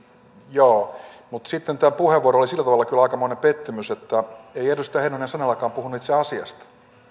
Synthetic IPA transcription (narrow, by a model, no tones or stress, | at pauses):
joːmut̪sit̪ːent̪æːpuheʋːuoɾolisilːæt̪ɑʋɑlːɑkylɑikɑmoinepet̪ːymyset̪ːæeierest̪ːˑæːhenonæsɑnelːɑkɑːmpuhunːeːt̪seeɑsiɑ̰st̪ɑ̥